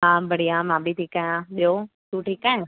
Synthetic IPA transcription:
ɦãːbəɽ̤ijãmãːbit̪ʰiːkãjãɓijosuːʈʰiːkãː

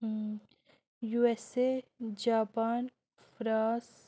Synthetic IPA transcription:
juesed͡ʒaːpaːn | fɾaːs

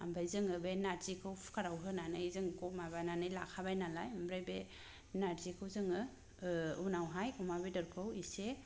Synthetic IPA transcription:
a̰mbajzɯŋɯbenaɾzikʰɯwpʰkaɾawɦɯnanɯizɯŋkɔmabananɯjla̰kʰabajnalajambɾajbe | naɾzikʰɯwzɯŋɯ | unawɦajumabedɯɾkʰɯwise

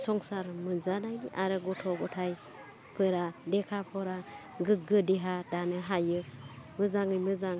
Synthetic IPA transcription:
sɔŋsaɾmɯzanajniʔaɾɯɡɔtʰɔɡɔtʰaj | pʰɯɾadɛkʰapʰɔɾa | ɡɯɡɯdiɦadanɯɦajɯmɯzaŋɯjmɯzaŋ

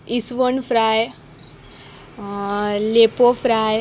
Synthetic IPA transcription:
isʋəɳfʰɾaj | lepofɾaj

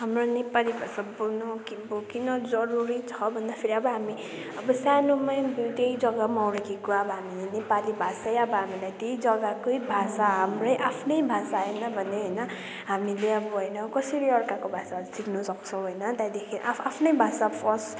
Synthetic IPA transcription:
ɦamronepalibʱasabunokibokinʌd͡zʌɾuɾit͡sʰʌbʱʌnd̪apʰeɾiʌbʌɦami | ʌbʌsanomajbit̪ejd͡zʌɡamawɾekekoabʌɦamilenepalibʱasajʌbʌɦamilajt̪ejd͡zʌɡakoibʱasaɦamrʌjʔapʰnʌjbʱasaɦenʌbʱʌneɦojnʌ | ɦamileʌbʌɦojnʌkʌsiɾiʌrkakobʱasasiknusʌk̚t͡sʰʌw̃ɦojnʌt̪ajd̪ekʰeʔaapʰnʌjbʱasapʰʌs

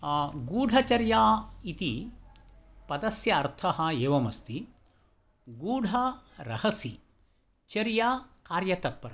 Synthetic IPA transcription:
ɡuːɖʱɐt͡ʃɐɾjaːit̪i | pɐd̪ɐsjɐːɾt̪ʰɐɦɐ̆eːʋɐmɐst̪i | ɡuːɖʱɐɾɐhɐsi | t͡ʃɐɾjaːkaːɾjɐt̪ɐt̪̚pɐɾɐ

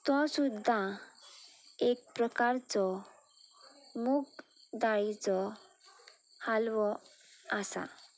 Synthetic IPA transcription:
t̪ɔ̃sud̪ʱːã | ek̚pɾəkaɾt͡sɔ | muk | d̪aɭit͡sɔ | halʋɔ | asa̰

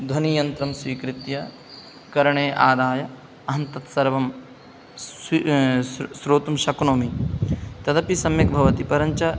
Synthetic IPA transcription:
d̪ʱɐnijɐnt̪ɾɐmswiːkɾɪt̪jɐ | kɐɾɐɳeːʔaːd̪aːjɐ | ɐɦɐnt̪ɐt̪sɐɾʋɐm | sɾoːt̪umʃɐknoːmit̪ɐd̪ɐpisɐmjɐkbʱɐʋɐt̪ipɐɾɐɲt͡ʃɐ

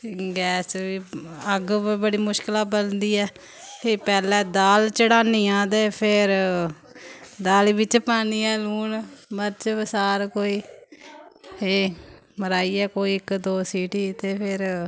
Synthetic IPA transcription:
ɡɛːsʋiːəɡbəɽiːmʊʃkəlaːbəlnd̪iːɛː | t̪epɛːlɛ̃ːd̪aːlt͡ʃəɽaːniːãːd̪eːpʰɪɾ | d̪aːlibɪt͡ʃpaːniːɛːluːɳməɾt͡ʃbəsaːɾkoːiː | eː | məɾaːiːɛːkoːiːɪkd̪oːsiːʈiːt̪eːpʰɪɾ

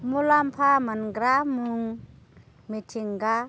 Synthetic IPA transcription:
mulampʰamanɡɾamuŋ | mitʰiŋɡa

